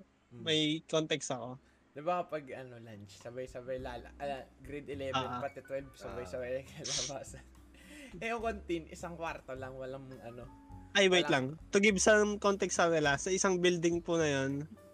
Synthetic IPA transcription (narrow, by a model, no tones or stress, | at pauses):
mɐjkont̪ɛkst̪ɐko̞ | d̪ɐbapɐɡɐnolant͡ʃsɐbajsɐbɐjlaːlɐ̰ɐɡɾɛd̪ɛlɛvɛnpɐt̪ɛt̪wɛlbsɐbajsɐbajɐkɐlabaːsɐn | ʔɛoŋkont̪inʔɪ̰saŋkwaɾt̪olɐŋwɐlɐŋʔɐno | ʔajwɛjt̪laŋt̪ʊɡɪbsɐkont̪ɛksɐkɐnɪlasɐʔɪsaŋbild̪ɪŋpʊnɐjon